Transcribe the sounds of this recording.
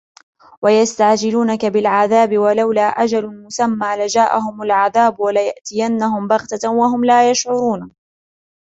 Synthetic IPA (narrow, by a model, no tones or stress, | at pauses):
wajast̪aʕd͡ʒɪluːnakabɪlʕaðaːbɪwalawlaːʔad͡ʒalʊmʊsamːaːlad͡ʒaːʔaɦʊmalʕaðaːbwalajaʔt̪ɪjanːahʊmbaɣt̪awaɦʊmlaːjaʃʕʊɾuːn